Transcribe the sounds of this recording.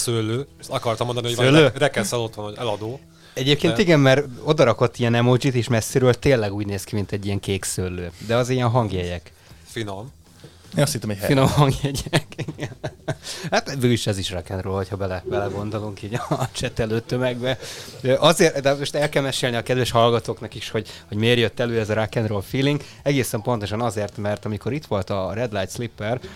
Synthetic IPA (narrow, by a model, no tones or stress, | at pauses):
sølːøːt̪ɒkɒrt̪ɒmːond̪ɒnihosølːøːrɛkɛnsɛlo̞t̪honhoɛlɒd̪oː | ɛɟeːp̚keːniɡɛmmɛɾo̞d̪ɒɾɒko̞t̪ːijɛnɛmod͡ʒit̪eːʃmɛsːiɾøːlt̪eːlːɛɡuːɟneːskimint̪ɛɟːijɛŋkeːksølːøːd̪ɛɒzijɛnɦɒŋɡjɛɟɛk | finom | esint̪ɛmɛhɛinomɦɒŋɡjɛɟɛkiɡɛn | hat̪bøːiʃɛziʃrakɛnrøːlhochɒbɛlɛbɛlɛɡo̞nd̪o̞luŋkiːɟɒt͡ʃɛt̪ɛløːt̪ːømɛɡbɛøʔɒzeːrd̪ɛmoʃt̪ɛlkɛlmɛʃeːlniɒkɛd̪ʋɛʃhɒlɡɒt̪oːknɒkiʃho̞ɟho̞ɟmeːrjøt̪ːɛløːɛzɒɾakɛnrolfiːliŋɡ | ɛɡeːsɛmpo̞nt̪o̞ʃɒnɒzeːrt̪mɛrt̪ɒmiko̞ɾit̪ʋo̞lt̪ɒrɛd̪lajt̪slipːɛr